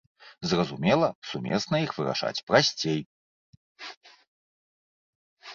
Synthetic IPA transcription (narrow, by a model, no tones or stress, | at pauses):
zrɐzumʲɛlˠɐsumʲɛ̰snɐixvɨɾa̰ʂa̰t͡sʲpɾasʲt͡sʲej